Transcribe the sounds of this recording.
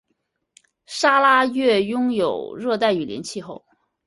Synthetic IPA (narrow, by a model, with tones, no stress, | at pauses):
ʂa˥la˥ɥɛ˥˩jʊ˥ŋjo˨˩ʊɻɤ˥˧t̪a˥˩ɪy˨˩ljɛ˧˥nt͡ɕʰi˥˧xo˥˩ʊ